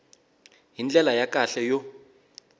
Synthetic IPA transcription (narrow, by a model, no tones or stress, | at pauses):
ɦind͡ɮɛlajakʼaɬɛjɔ